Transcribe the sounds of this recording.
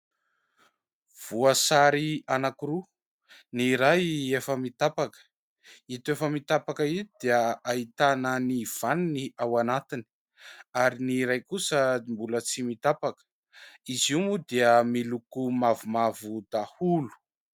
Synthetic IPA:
v̥uasaɾianakuɾu | niɾajefəmit̪apakə̥ | it̪efəmit̪apakəid̪̥eəait̪anəniv̥aniniawanat̪ini̥ | aɾiniɾajkusəmbulət͡simit̪apakə̥ | iziumud̪eəmilukumavumavud̪ahulu̥

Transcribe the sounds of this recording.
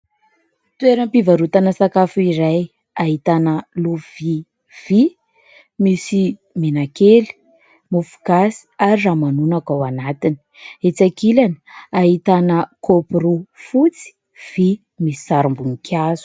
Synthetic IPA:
t̪weɾəmpivaɾut̪anəsakafuiɾaj | aɦit̪anəluvi | v̥i | misi | menakeli̥ | mufu̥ɡasi̥aɾiramanunakawanat̪ini̥ | et͡sakilanə̥aɦit̪anəkopurufut͡si̥ | v̥i | misi̥saɾumbunikʰʲjazu̥

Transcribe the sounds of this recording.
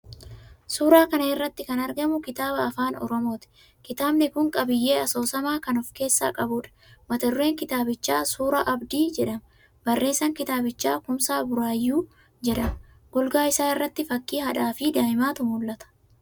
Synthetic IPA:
suːɾaːkɐnɐɪrːɐt̪ːɪkɐnɐɾɡɐmʊkɪt̪aːbɐːfaːnɔ̰ɾɔmo̞ːt̪ɪ̥ | kɪt̪aːbnɪkʊŋkʼɐbɪjːe̞ːɐso̞ːsɐmaːkɐnɔfke̞ːsːa̰ːkʼɐbʊᶑɐ̥mɐt̪ɐɾʊɾe̞ːŋkɪt̪aːbɪt͡ʃːa̰ːsuːɾaʔɐbd̪iːd͡ʒɛᶑɐm | bɐrːe̞ːsːɐŋkɪt̪aːbɪt͡ʃːa̰ːkʊmsaːbʊɾaːjːuː | d͡ʒɛᶑɐm | ɡ̥ʊlɡaːɪsaːɪrːɐt̪ːɪfɐkːiːhɐᶑaːfɪd̪aːɪmaːt̪ʊmuːlːɐt̪ɐ̥

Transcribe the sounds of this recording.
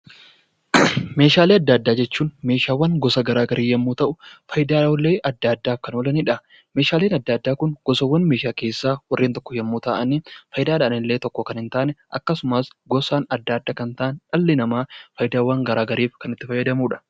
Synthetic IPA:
me̞ːʃaːleːɐd̪ːad̪ːaːd͡ʒɛt͡ʃːuːnme̞ːʃaːwːɐŋɡɔsɐɡɐɾaːɡɐɾiːjɐmːuːt̪ɐʔʊfɐjd̪aːlːeːʔɐd̪ːaːd̪ːaːfkɐnoːlɐniːᶑɐ | me̞ːʃaːleːnɐd̪ːaːd̪ːaːkʊnɡ̥ɔsɐwːɐnme̞ːʃaːkeːsːaːwɐrːeːnt̪ɔkːɔjɐmːuːt̪aːʔɐniːfɐjd̪aːᶑaʔɐnɪlːeːt̪ɔkːɔkɐnɪnt̪aːnɛʔɐ̰kːɐsʊmaːsɡɔsaːnɐd̪ːaːd̪ːaːkɐnt̪aʔɐnᶑɐlːɪnɐmaːfɐjd̪aːwaŋɡɐɾaːɡɐɾiːfkɐnɪt̪ːɪfɐjːɐd̪ɐmuːᶑɐ̥

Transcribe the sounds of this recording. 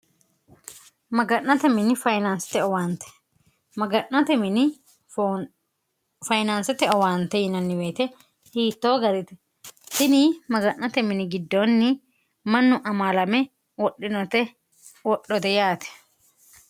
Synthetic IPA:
mɐɡɐnːɐt̪ɛmɪnɪfɐjnansɪ̥t̪ɛɔwaːnt̪ɛ̥ | mɐɡɐʔːɐt̪ɛmɪnɪ | fɐjnansɛt̪ɛɔwaːnt̪ːɛjɪnɐnːɪweːt̪ɛ | hiːt̪ːoːɡɐɾɪt̪ɛ | sɪnimɐɡɐʔːɐt̪ɛmɪnɪɡɪd̪ːoːnːɪ | mɐnːʊʔɐmaːlɐmɛ | wɔɗːɪnɔt̪ɛ | wɔɗːɔt̪ɛjaːt̪ɛ̥

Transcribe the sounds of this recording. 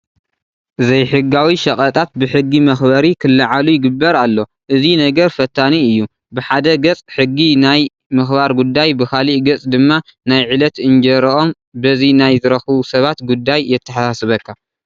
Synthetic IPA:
ʔɨzɐjħɨɡawiʃɐkʼɐt̪ʼat̪̚bɨħɨɡːimɐxbɐɾikʰɨlːɐʕalujɪɡɨbːɐɾalːo̞ | ʔɨzinɐɡɐɾfɐt̪ʰːaniɨjːu | bɨħad̪ɐɡɐt͡sʼħɨɡːinaj | mɨxbaɾɡud̪ːajbɨxaliʔɡɐt͡sʼd̪ɨmːa | najʕilɐt̪ɨnd͡ʒɐɾɐʔo̞m | bɐzinajzɨɾɐxβusɐβat̪ɡud̪ːajːɛt̪ʰːɐħasasɨβɐkʰːa

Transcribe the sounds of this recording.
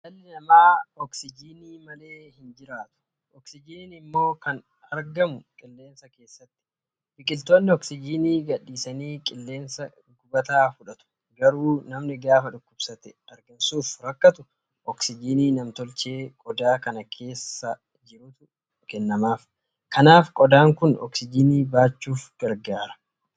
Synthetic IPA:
d̪ɐlːɪnɐmaːɔksɪd͡ʒiːniːmɐle̞ːhɪnd͡ʒɪɾaːt̪ʊ̥ | ʔɔksɪd͡ʒiːnnɪmːo̞ːkɐn | ɐɾɡɐmʊkʼɪlːe̞ːnsɐke̞ːsːɐt̪ːɪ̥ | fɪkʼɪlt̪oːnːɪɔksɪd͡ʒiːniːɡɐɗːiːsɐniːkʼɪlːe̞ːnsɐ | ɡʊbɐt̪aːfʊᶑɐt̪ʊ̥ | ɡɐɾuːnɐmnɪɡaːfɐᶑʊkːʊbsɐt̪ɛɐɾɡɐnsuːfɾɐkːɐt̪ʊ | ɔksɪd͡ʒiːniːnɐmt̪ɔlt͡ʃe̞ːkʼɔd̪aːkɐnɐkʰe̞ːsːɐ | d͡ʒɪɾʊt̪ʊ | kɛnːɐmaːf | kɐnaːfkʼɔd̪aːŋkʊnɔ̰ksɪd͡ʒiniːbaːt͡ʃːuːfɡ̥ɐɾɡaːɾɐ̥

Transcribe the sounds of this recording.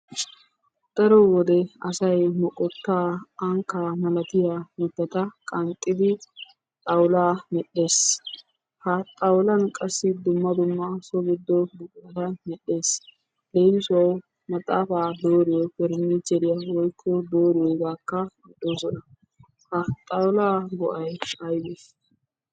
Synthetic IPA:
d̪̥ɐɾɔwɔd̪ɛɐsɐjmɔkʼɔt̪ːaːɐŋkːamɐlɐt̪ɪjamɛt̪ːɐt̪ɐkʼɐnt̪ʼːɪd̪ɪ | t̪ʼɐwlaːmɛɗːe̞ːs | hɐt̪ʼɐwlɐnkʼɐsːɪd̪ʊmːɐd̪ʊmːɐsɔbʊd̪ːɔbʊkʼːɐt̪ɐmɛɗːe̞ːs | d̪ejnsʊɐw | mɐt̪ʼːa̰ːfaːd̪o̞ːɾɪjɔfɛɾnit͡ʃːɛɾɪjɐwɔjkʰːɔd̪o̞ːɾɪjɔɡaːkːɐmɛɗːo̞ːsɔnɐ | hɐt̪ʼɐwlaːɡɔʔɐjɐjbes

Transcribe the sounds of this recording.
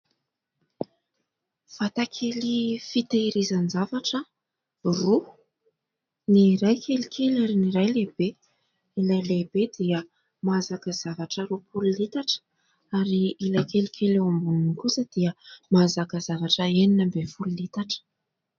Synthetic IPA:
fat̪akʰelifit̪eiɾizand͡ʒavaʈ͡ʂə | ru | niɾajkʰelikʰelaɾiniɾajlebe | ilajlebed̪iə | mazakəz̥avaʈ͡ʂəɾupʰululit̪aʈ͡ʂə̥ | aɾiilajkelikʰʲelumbununikusəd̪̥iəmazakəzavaʈ͡ʂəeninambefululit̪aʈ͡ʂə̥

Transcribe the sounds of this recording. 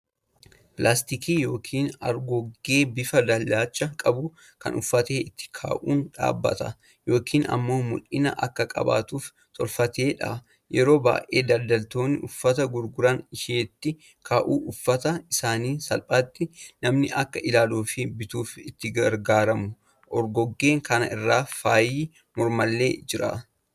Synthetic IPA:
pɪlʔaːst̪ɪkiːjo̞ːkʰiːnɐ̰ɾɡɔɡːe̞ːbɪfɐd̪ɐlːaːt͡ʃʼːɐkʼɐbʊ | kɐ̰nʊfːɐt̪e̞ːɪt̪ːɪ̥kʰa̰ːʔuːnᶑa̰ːbːɐ̰t̪ɐ̰ | jo̞ːkʰiːnɐ̰mːo̞ːmʊ̰lʔɪnɐʔɐkːɐkʼɐ̰ba̰ːt̪uːf | t̪ʰʼɔlfɐt̪e̞ːᶑa̰ | jɛɾo̞ːba̰ːʔe̞̰ːd̪ɐld̪ɐlt̪o̞ːnːɪʔʊfːɐt̪ɐɡʊɾɡʊɾɐnɪʃeːt̪ːɪ | kʰaːʔuːʔʊfːɐt̪ɐɪsaːniːsɐlpʼaːt̪ːɪnɐmnɪʔɐkːɐʔɪlaːluːfɪbɪt̪uːfɪt̪ːɪɡɐɾɡaːɾɐmʊ | ʔɔɾɡɔɡːe̞ːŋkɐnɐ̰ɪrːaːfaːjiː | mɔɾmɐlːḛːd͡ʒɪɾɐ̰

